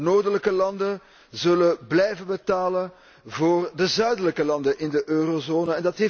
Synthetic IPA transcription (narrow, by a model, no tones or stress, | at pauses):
noːrdələkəlɑndə | zɵləblɛjvənbətaːlən | voːrdəzœɥdələkəlɑndənʔɪndəʔøːrozoːnəɛndɑtɦeː